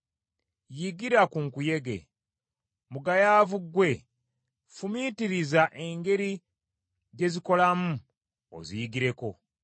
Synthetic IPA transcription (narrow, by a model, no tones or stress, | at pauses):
jiɡiɾakuŋkuje̞ɡe̞̰ | muɡajaːvuɡwe̞ | fumitiɾizaʔe̞ŋɡe̞ɾi | ɟe̞ziko̞lamu | o̰zijiɡiɾe̞ko̞